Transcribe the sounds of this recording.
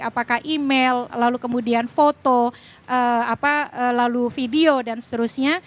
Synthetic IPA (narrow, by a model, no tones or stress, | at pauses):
apakahʔimellalukəmudianfot̪o | ʔəapaəːlalufideodansə̥t̪əɾusɲa